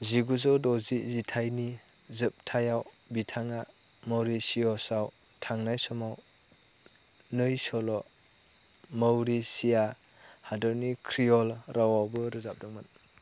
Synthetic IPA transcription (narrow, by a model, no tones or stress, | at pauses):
ziɡuzɯwdɔzizitʰajni | zɯp̚tʰajaw | bitʰaŋa | mawɾisiɔsaw | tʰaŋnajsɔmaw | nɯjsɔlɔ | mawɾisija | hadɔɾnikʰɾijɔlɾawawbɯɾɯzap̚dɔŋmɯn